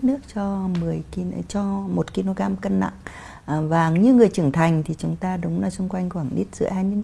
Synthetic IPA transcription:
nɨ˦˥ək̚t͡ɕɔ˧mɨ˨˩əji˧t͡ɕɔ˧mo˨˩t̚ki˧no˧ɣaː˧mkə˧nːa̰˧˨ŋ˨˩ | vaː˨˩ɲɨ˧ŋɨ˨˩əjt͡ɕɨ˧˩əŋt̪ʰa˨˩jŋ̟t̪ʰi˨˩t͡ɕʊ˨˦ŋ͡mt̪aː˧ɗʊ˨˦ŋ͡mlaː˨˩sʊ˧ŋ͡mkwa˧jŋ̟kwaː˧˩ŋɗḭ˦˥t̚zɨ̰˧˨haː˧jɲɨ̰˧˥

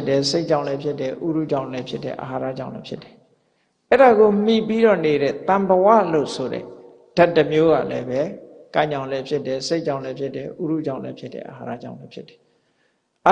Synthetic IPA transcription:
ɪ˦tːɛ˨se˦ɪʔt͡ɕːã̰˦˨lɛ˦pʰjɪ˦tːɛ˨ʔu˦ɾṵ˦˨d͡ʑã˨ʊ̃lɛ˦pʰjɪ˦tːɛ̰˦˨ʔa˨ɦa˨ɾa̰˦˨d͡ʑã̰˦˨ʊ̃lɛ˦pʰjɪ˦tːɛ̥˨ | ʔɛ˦˨ɾa˨ɣo˨m̥i˨pi˦ɾɔ˦˨ne˨ɾɛ̰˦˨t̪ã˨mbəwa̰˦˨lo̰˦˨sʰo˨ɾɛ̰˦˨ | d̥a˦tːə˨mjo˦ɣä̰˦˨lɛ˦bɛ˦ | kã˦˨ɲã˨ʊ̃lɛ˦pʰjɪ˦tːɛ˨se˦ɪʔt͡ɕã˦˨ʊ̃lɛ˦pʰjɪ˦tːɛ˨ʔu˦ɾu˦˨d͡ʑã˨ʊ̃lɛ̰˦pʰjɪ˦tːɛ̰˦˨ʔə˨ɦa̰˨ɾa̰˦˨d͡ʑã˦˨ʊ̃lɛ˦pʰjɪ˦tːɛ̥˨ | ʔa˨

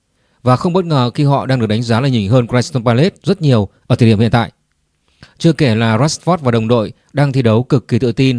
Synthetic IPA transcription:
vaː˨˩xə˧wŋ͡mɓə˦˥t̚ŋəː˨˩xi˧ɦɔ̰˧˨ɗaː˧ŋɨ˨˩ək̚ɗa˨˦ŋ̟zaː˨˦laː˨˩ɲï˧˩ŋ̟ɦəː˧nkɾɛ˧˦˥st̪ɔ˧npa˧le˦˥t̚zə˦˥t̚ɲi˨˩əwʔəː˧˩t̪ʰəː˨˩˧i˧˩hə˨nt̪a̰ː˧˨j | t͡ɕɨ˧əke˧˩laː˨˩za˦˥sfɔ˦˥t̚vaː˨˩ɗə˨˩wŋ͡mɗo̰˧˨j | ɗaː˧ŋt̪ʰi˧ɗə˨˦wkɨ˨˩kːi˨˩t̪ɨ̰˧˨t̪i˧n

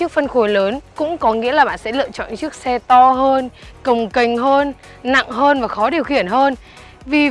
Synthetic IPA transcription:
ɨ˦˥ək̚fə˧nxu˧˩ələː˨˦nkʊ̰˧˥ŋ͡mkɔ˨˦ŋḭ˧˥əlaː˨˩ɓa̰ː˧˨nsɛ̰˧˥lɨ̰˧˨ət͡ɕɔ̰˧˨nt͡ɕɨ˦˥ək̚sɛ˧t̪ɔ˧ɦəː˧nkə˨˩wŋ͡mkə˨˩jŋ̟ɦəː˧nː | a̰˧˨ŋɦəː˧nvaː˨˩xɔ˨˦ɗi˨˩əwxi˧˩ənɦəː˧n | vi˨˩

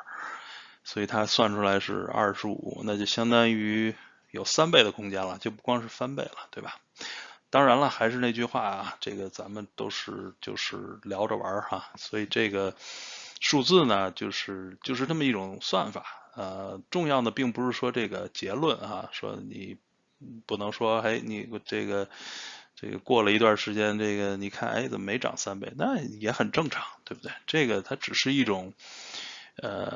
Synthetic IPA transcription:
swɔ˧˥i˨˩t̪ʰa˥swa˥˩nʈ͡ʂʰu˥la˧˥ɪʂɻ̩̰˥˧ɐ̰˥˧˩ʂɻ̩˥ṵ˨˩˦na˥˩t͡ɕjo˥˩ʊɕjɑ˥ŋt̪ɑ˥ŋy˧˥ | jo˨˩ʊsa˥npe˥˩ɪd̪ə˩kʰʊ˥ŋt͡ɕjɛ˥nlə˨t͡ɕjo˥˧ʊp̬u˥˩kwɑ˥ŋʂɻ̩˥˩fa˥npe˥˩ɪlə˩t̪we˥˩ɪbɐ˨˩ | t̪ɑ˥ŋɻa˧˥nlə˧xa˧˥ɪʂɻ̩˥˧ne˥˩t͡ɕy˥˧xwa̰˥˩ɐ˩ʈ͡ʂɤ˥˩ɡə˩t͡sa˧˥mə˨nt̪o˥ʊʂɻ̩˥˩t͡ɕjo̰˥˧ʊʂɻ̩˥˩ljɑ˧˥ʊʈ͡ʂə̰˧wə̰˞˧˥a˧swɔ˧˥i˨˩ʈ͡ʂɤ˥˩ɡə˩ | ʂu˥˧t͡sɹ̩˥˩nə˩t͡ɕjo˥˧ʊʂɻ̩˥˩t͡ɕjo˥˧ʊʂɻ̩˥˧na˥˩mə˩i˥˩ʈ͡ʂʊ˨˩ŋswa˥˩nfa˨˩˦ə˧ʈ͡ʂʊ˥˧ŋjɑ˥˩ʊd̪ə˩pi˥˩ŋpu˧˥ʂɻ̩˥˩ʂwɔ˥ʈ͡ʂɤ˥˩ɡə˩t͡ɕjɛ˧˥lwə˥˩na̰˧˩ʂwɔ̰˥nḭ˨˩ | pu˨˩nɤ˧˥ŋʂwɔ˥e˧˥ɪni˨˩ʈ͡ʂɤ˥˩ɡə˩ʈ͡ʂḛ˥˩ɡə̰˩kwɔ˥˩lə˩i˧˥t̪̬wa˥˩ʂɻ̩˧˥t͡ɕjɛ˥nʈ͡ʂe˥˩ɡə˩ni˨˩kʰa̰˥˩nʔḛ˥ɪt͡sə˨˩˨me˧˥ɪʈ͡ʂɑ̰˨˩ŋsa˥npe˥˩ɪna˥˩jɛ˧˥xə˨˩nʈ͡ʂɤ˥˩ŋʈ͡ʂʰɑ̥˧˥˦ŋt̪we˥˧ɪbu˩we˥˩ɪʈ͡ʂɤ˥˩ɡə˩t̪ʰa˥ʈ͡ʂɻ̩˨˩ʂɻ̩˥˧i˥˩ʈ͡ʂʊ˨˩˦ŋ | ə̰˧

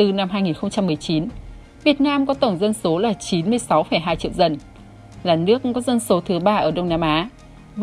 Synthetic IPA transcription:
ɨ˨˩na˧mɦaː˧jŋi˨˩nxə˧ŋ͡mt͡ɕa˧mːɨ˨˩əjt͡ɕi˨˦n | vi˨˩ət̚naː˧mkɔ˨˦t̪ə˧˩wŋ͡mzə˧nso˨˦laː˨˩t͡ɕi˨˦nmɨ˧əjsa˨˦wfə˧˩jɦaː˧jt͡ɕḭ˧˨əwzə˨˩n | zaː˨˩nɨ˦˥ək̚kɔ˨˦zə˧nso˨˦t̪ʰɨ˨˦ɓaː˧ʔəː˧˩ɗə˧wŋ͡mnaː˧mʔaː˨˦ | v

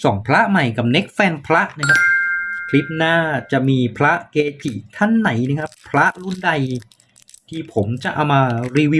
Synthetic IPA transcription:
sɔː˩˦ŋpʰɾa˦˥ʔma˨˩jka˨˩p̚ne˦˥k̚fɛː˧npʰɾa˦˥ʔna˦˥kʰa˦˥p̚kʰli˦˥p̚naː˥˩t͡ɕa˨˩ʔmiː˧pʰɾa˦˥ʔkeː˧t̪ʰi˨˩t̪ʰa˥˩nːa˩˦jna˦˥kʰa˦˥pʰɾa˦˥ʔɾu˥˩nda˧j | t̪ʰiː˧˩pʰo˩˦mt͡ɕa˨˩ʔa˧wmaː˧ɾiː˧wi˦˥

